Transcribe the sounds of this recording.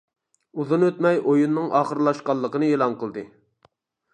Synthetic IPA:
uzunøt̪mɛjʔojunːɨŋʔɑːχəɾlˠɑʃqɑlˠːəqənɨelˠɑnqəlˠd̪ɨ

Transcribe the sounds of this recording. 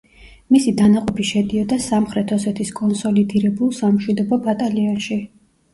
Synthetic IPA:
misid̪anaqʼɔpʰiʃɛd̪iɔd̪asamχɾɛt̪ʰɔsɛt̪ʰiskʼɔnsɔlid̪iɾɛbulˠsamʃwid̪ɔbɔbat̪ʼaliɔnʃi

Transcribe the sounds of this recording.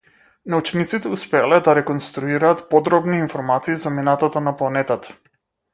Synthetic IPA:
naut͡ʃnit̪sit̪ɛuspɛalɛd̪aɾɛkɔnst̪ɾuiɾaːt̪pɔd̪ɾɔbniːnfɔɾmat̪siːzaminat̪at̪anaplˠanɛt̪at̪ḁ

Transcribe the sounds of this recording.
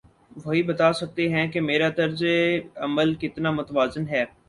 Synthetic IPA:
ʋɐɦibɐt̪aːsɐk̚t̪eɦɛ̃kemeːɾad̪ɐɾzeɐməlkɪt̪namʊt̪ʋaːzənɦɛː

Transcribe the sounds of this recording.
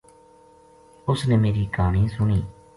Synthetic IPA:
ʊsneːmeːɾiːkaːɳ̃ĩːsʊɳiː

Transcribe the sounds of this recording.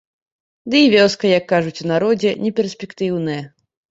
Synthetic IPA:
d̪ɨivʲɔskɐjɐkːaʐut͡sʲunaɾɔd͡zʲɛnʲɛpʲɛrsʲpʲɛkt̪ɨwnɨjɛ

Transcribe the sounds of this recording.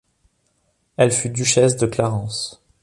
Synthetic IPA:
ɛlfyd̪yʃɛsd̪əklaʁɑ̃s

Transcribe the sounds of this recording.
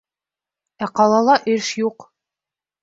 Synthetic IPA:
æqɑlˠɑlˠɑʔɘʃjuq

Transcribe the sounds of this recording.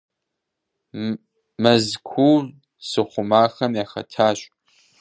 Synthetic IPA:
mɐzkʷʰuː | sɨχʷʊmaːxɐmjaːxɐ̰tʰaːɕʼ

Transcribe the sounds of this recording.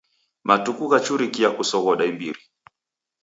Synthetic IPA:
matukuɣat͡ʃuɾikiakusɔɣɔɗaimbiɾi

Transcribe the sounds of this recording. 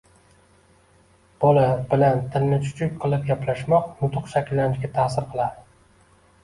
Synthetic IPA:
b̥olabɪlant̪ʰɪnːɪt͡ʃʰʊ̥t͡ʃʰʊkʲqʰɨlˠɪp̚ɡʲaplaʃmɒq̚nʊt̪ʰʊqʃakʲʰɪlːanɪt͡ʃɡʲat̪ʰaːsɪɾqʰɨlˠad̪ɪ

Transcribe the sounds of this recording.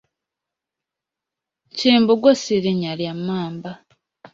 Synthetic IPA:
ciːmboɡosiɾiɲaljamːaːmba

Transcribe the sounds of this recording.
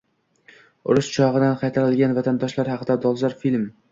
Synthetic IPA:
ʊ̰ɾʊʃt͡ʃʰɒʁɨd̪anqʰɑjt̪ʰaɾɪlɡʲanvat̪ʰand̪ɒʃlaɾhɑqʰɨd̪ad̪ɒlˠzaɾfilm

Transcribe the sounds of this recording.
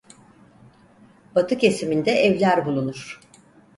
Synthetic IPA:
b̥at̪ʰɯke̞simind̪ɛʔɛvlʲæɾbulˠunuɾ̥

